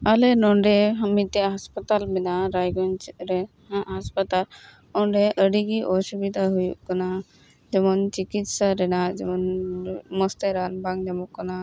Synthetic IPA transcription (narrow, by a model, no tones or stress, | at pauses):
alɛnɔɳɖɛɦəmit̪ːɛɦaspat̪almɛnaɾajɡɔnt͡ʃɾɛ | haɦaspat̪al | ɔɳɖɛʔəɽiɡiʔɔsubid̪ʱaɦujṵʔkana | d͡ʒɛmɔnt͡ʃikit̪saɾɛnad͡ʒɛmɔnmɔst̪ɛɾanbaŋd͡ʒɛmɔkːɔna